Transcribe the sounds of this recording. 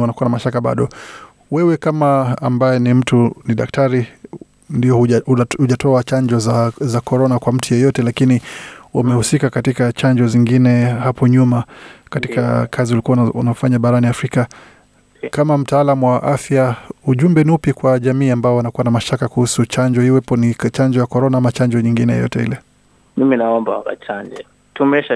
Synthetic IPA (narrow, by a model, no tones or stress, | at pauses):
wanakuwanamaʃakaɓa̰ɗɔ | wɛwɛkamaːmbajɛnim̩tuniɗak̚taɾi | ndiɔhhuʄatɔat͡ʃaɲd͡ʒɔzazakɔɾɔnakwam̩tujɛjɔtɛlakiniwa̰mɛhusikakatikat͡ʃaɲd͡ʒɔziŋɡinɛhapɔɲumakatika̰kʰaziulikuwaṵnaɔfaɲaɓaɾaniafɾika | kamam̩taalamuwaʔafjauʄumbɛniupjikwaʄamiːambaɔwanakuwanamaʃtakakuhusut͡ʃaɲd͡ʒɔhiwɛpɔnit͡ʃaɲd͡ʒɔjakɔɾɔnaamat͡ʃaɲd͡ʒɔɲiŋɡinɛjɛ̰jɔ̰tɛhḭlɛ | miminaɔmba̰wa̰ka̰t͡ʃaɲd͡ʒɛ | tumɛʃa